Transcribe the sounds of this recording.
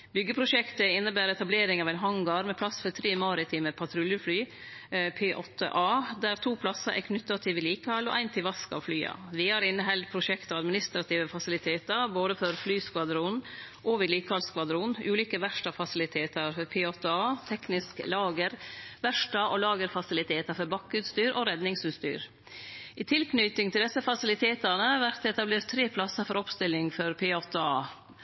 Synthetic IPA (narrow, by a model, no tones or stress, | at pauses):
bʏɡːəpʰɾʊʃɛkt̪əɪnːəbæːɾɛt̪ɑbleːɾɪŋɑʋæɪnɦɑŋɡɑɾmɛpʰlɑsfɔɾt̪ʰɾeːmɑːɾɪt̪ʰiːməpʰɑt̪ʰɾʉljəflyː | pʰeːʔɔt̪ʰːə̰ʔɑːd̪æɾt̪ʰuːpʰlɑsɑʔæ̰kʰnʏt̪ːɑt̪ʰɪʋɪliːkəhɑlːɔ̰ʔæɪnt̪ʰɪlʋɑskɑ̰ʋflyːɑ̰ʋɪhɑɾɪnːəɦɛld̪̚pʰɾʊʃɛkt̪ɔɑd̪mɪnɪst̪ɾɑt̪ʰiːʋəfɑsɪlɪt̪ʰeːt̪əɾboːd̪əfɔɾflyːskʋɑd̪ɾuːn | ʔɔʋɪd̪liːkhɑlskʋɑd̪ɾuːnʔʉːliːkəʋæʂʈɑfɑsɪlɪt̪ʰeːt̪əɾfɔɾpʰeɑːt̪ɑːt̪ʰɛknɪsklɑːɡəɾʋæʂʈɑʔɔlɑːɡəɾfɑsɪlɪt̪ʰeːt̪əfɔɾbɑkːʉːt̪st̪yːɾʔɔɾɛd̪nɪŋsʉːst̪y̰ːɾ | ɪt̪ʰɪlknyt̪ɪŋt̪ʰɪld̪ɛsːəfɑsɪlɪt̪ʰeːt̪əɾnəʋæɾt̪ɛt̪ɑbleːɾt̪ʰːɾeːpʰlɑsəfɔɾɔpst̪ɪlːɪŋfɔɾpʰɛɑːt̪ɑː